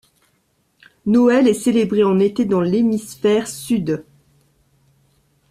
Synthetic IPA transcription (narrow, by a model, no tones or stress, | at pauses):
nɔɛlɛselebʁeɑ̃net̪ed̪ɑ̃lemisfɛʁsyd̪